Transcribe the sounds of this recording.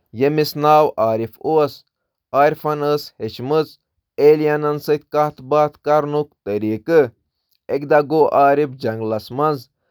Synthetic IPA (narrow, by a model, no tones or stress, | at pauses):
jemisnaːwaːɾifos | aːɾʲfɐnəːsheʃmɨt͡s | eːljɐnɐnsɨt̪ʲkɐht̪ʰbaːt̪kɐɾnukt̪əɾiːkɨ | ekd̪ɐɡoːʔaːɾipd͡ʒɐŋɡlɐsmɐnz